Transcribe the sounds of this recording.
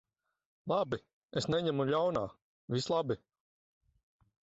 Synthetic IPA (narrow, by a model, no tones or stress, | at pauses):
lˠabi | esnɛɲɛmuʎʲawnaː | vʲislˠabi